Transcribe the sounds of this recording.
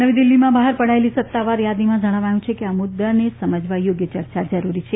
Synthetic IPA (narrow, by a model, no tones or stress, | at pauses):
əʋid̪ilːimãbaɦaɾpəɽ̤aelisət̪ːaʋaɾjad̪imãd͡ʒəɽ̃aʋajũt͡ʃʰekeamʊd̪ːənesəməd͡ʒʱʋajoɡjət͡ʃəɾt͡ʃad͡ʒəɾuɾit͡ʃʰe